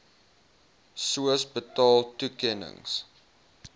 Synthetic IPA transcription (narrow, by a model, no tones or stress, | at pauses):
suəsbətɔltukɛnə̰ŋs